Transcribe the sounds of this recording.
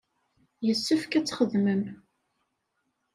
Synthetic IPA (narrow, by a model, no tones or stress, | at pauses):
jəsːəfkæt͡sːχəðməm